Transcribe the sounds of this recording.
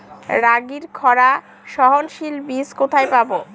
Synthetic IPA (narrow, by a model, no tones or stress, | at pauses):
ɾaɡiɾkʰɔɾa | ʃɔɦonʃilbiskot̪ʰajpabo